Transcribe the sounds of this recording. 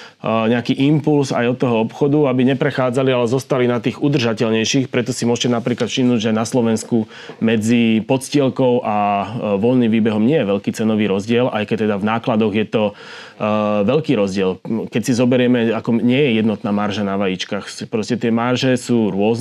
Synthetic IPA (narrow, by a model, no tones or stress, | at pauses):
ɲɛakiːʔimpulsa̰jɔt̪ːɔɦɔɔpxɔd̪uabiɲɛpɾɛxaːd͡zalialɛzɔst̪alinat̪iːɣud̪r̩ʒacɛʎɲɛjʃixpɾɛt̪ɔsimʊɔʒcɛnapɾiːklat̪ʃimnuːɟʒɛnaslɔʋɛnsku | mɛd͡zipɔt̪scɪɛlkɔʊʔaʋɔlnimʋiːbɛɦɔmɲɪɛjɛʋɛʎkiːt͡sɛnɔʋiːɾɔzɟɪɛlʔajkɛc̚t̪ːɛd̪avnaːklad̪ɔɣjɛt̪ɔ | ʋɛʎkiːɾɔzɟɪɛlkɛcsizɔbɛɾɪɛmɛakɔɲɪɛjɛjɛd̪nɔt̪naːmaɾʒanaʋajit͡ʃkaːxpɾɔscɛt̪ɪɛmaɾʒɛsuːɾʊɔz